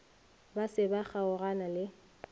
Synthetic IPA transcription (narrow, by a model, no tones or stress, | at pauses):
basɪbak͡xaʊɣanalɪ